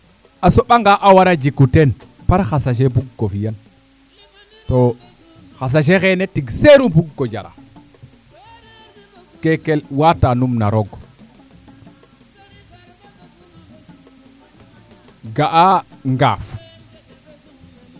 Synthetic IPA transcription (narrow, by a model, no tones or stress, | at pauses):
asoɓaŋɡaʔawaɾad͡ʒikuten | paɾxasaʃ̬ebuɡːofijan | to | xas̬aʃ̬exenetiɡseɾubuɡːod͡ʒa̰ɾa̰ | kekelwatanumna̰ɾoɡ | ɡaʔaŋɡaːf